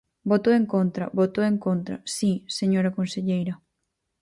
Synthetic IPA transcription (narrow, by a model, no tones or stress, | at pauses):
bot̪oeŋkont̪ɾɐ̰bot̪oeŋkont̪ɾɐ̰siseɲoɾakõnseʎejɾɐ